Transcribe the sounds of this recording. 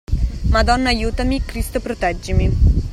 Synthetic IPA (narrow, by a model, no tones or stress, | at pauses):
mad̪ɔnːajut̪ɐmikɾist̪əpɾot̪ad͡ʒimi